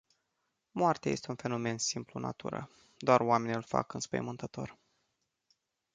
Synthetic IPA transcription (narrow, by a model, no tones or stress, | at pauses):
moart̪eajest̪eunfe̞no̞me̞nsimpluna̰t̪ṵɾə̰ | d̪oarowame̞niɨlfa̰kɨnspəjəmɨnt̪ət̪o̞̰r